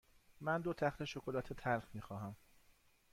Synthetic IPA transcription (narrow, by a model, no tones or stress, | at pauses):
mænd̪ot̪ʰæxt̪ʰe̞ʃokʰolæt̪ʰet̪ʰælxmiːxɒːɦhæm